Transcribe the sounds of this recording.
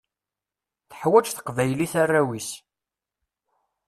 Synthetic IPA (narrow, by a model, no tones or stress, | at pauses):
θə̥ħwæt͡ʃθə̥qvæjliθarːæwis